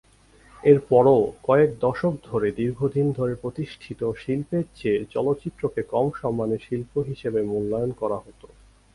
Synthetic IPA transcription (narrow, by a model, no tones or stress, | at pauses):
eɾpɔɾokɔek̚d̪ɔʃok̚d̪ʱoɾed̪iɾɡʱod̪ʱind̪ʱoɾepɾot̪iʃʈʰit̪oʃilpeɾt͡ɕeɾt͡ɕɔlot̪ːɕit̪ːɾokekɔmʃɔmːaneɾʃilpoɦiʃebemulːajonkɔɾaɦot̪o